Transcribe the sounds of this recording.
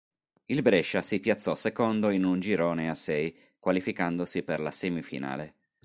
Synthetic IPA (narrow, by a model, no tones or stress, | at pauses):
ilbɾɛʃːasipjat̪sːɔsekond̪oinund͡ʒiɾoːneasɛj | kwalifikand̪osiperlasɛmifḭna̰ːle